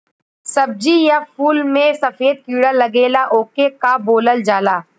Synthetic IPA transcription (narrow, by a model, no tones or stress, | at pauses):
sɐb̚d͡ʒijapuːlmẽsɐfeːd̪̚kiːɽalɐɡeːlaʔoːkekaboːləld͡ʒaːlaː